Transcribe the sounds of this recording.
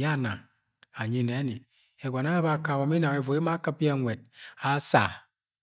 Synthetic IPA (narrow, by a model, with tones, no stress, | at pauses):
a˦˨na̰˨ | a˨ɲi˦˨ne˨˦ni˨ | e˨ɡʷa˨na˦a˦ba˦˨ka˨wa˨m˦i˦na˨e˨vo˨i˦ma˦kɨ˦pi˦a˦˨ŋʷe˨d̚a˨˦sa̰˨